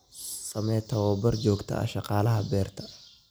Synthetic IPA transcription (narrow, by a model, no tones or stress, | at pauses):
sɐmɛːt̪ʰɐwɐbɐrd͡ʒɔːɡt̪ʰɐ̰ɐ̰ʃɑqɑːlɐɦɐbɛːrt̪ʰɐ̥